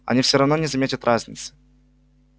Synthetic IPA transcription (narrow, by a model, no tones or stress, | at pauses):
ɐ̰nʲifsʲoɾɐvno̞nʲɪzɐmʲetʲɪt̪ɾʔazʲnʲɪ̰t̪sɨ̥